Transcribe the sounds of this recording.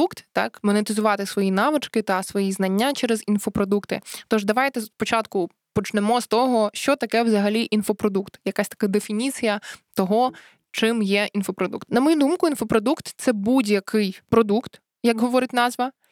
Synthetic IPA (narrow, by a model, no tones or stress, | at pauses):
ukt̪ːɑ̰kmɔnet̪ɪzʊʋɑt̪ɪsʋɔjinɑʋɪt͡ʃkɪt̪ɐsʋɔjiznɐnʲːat͡ʃɛɾezinfɔpɾɔd̪ukt̪ɪ̰t̪ɔʒd̪ɐʋɑjt̪ɛspɔt͡ʃɑt̪kʊ | pɔt͡ʃnemɔst̪ɔɦɔʃt͡ʃɔt̪ɐkɛwzɐɦɐlʲiʔinfɔpɾɔd̪ukt̪jɐkasʲt̪ɐ̥kad̪efʲinʲit͡sʲijɐt̪ɔɦɔ | t͡ʃɪmjɛʔinfɔpɾɔd̪ṵkt̪nɐmɔjud̪umkʊinfɔpɾɔd̪ukt̪t̪sɛbudʲjɐkʰɪjpɾɔd̪ukt̪ | jɐkɦɔʋɔɾɪtʲnɑzʋɐ